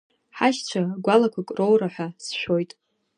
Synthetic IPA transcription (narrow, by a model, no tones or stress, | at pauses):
ħaʃt͡ʃʷʰaɡʷalakʷʰakʼro̞wɾaħʷasʃᶣo̞jtʼ